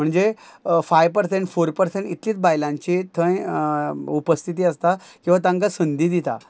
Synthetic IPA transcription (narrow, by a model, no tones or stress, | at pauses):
m̤əɳd͡zefajʋpəɾsẽɳʈfoɾpəɾseɳʈit̪ʰliːt͡sbajlãɲt͡ɕit̪ʰə̃j | upəst̪ʰit̪iːəst̪akĩw̃ʋat̪ãŋkasənd̪iːd̪it̪a̰